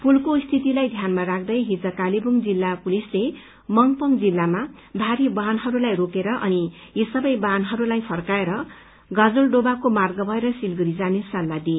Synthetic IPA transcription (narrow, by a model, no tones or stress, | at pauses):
pulkost̪ʰit̪ilajd̪ʱjanmaɾak̚ʰd̪ʌjɦid͡zʌkalibuŋd͡zilːapulisle | mʌŋpʌŋd͡zilːama | bʱaɾibanɦʌɾulajrokeɾʌʔʌni | jesʌbʌjbanɦʌɾulajpʰʌrkaeɾʌ | ɡʌd͡zulɖobakomarɡʌbʱʌeɾʌsilɡuɾid͡zanesʌlːad̪i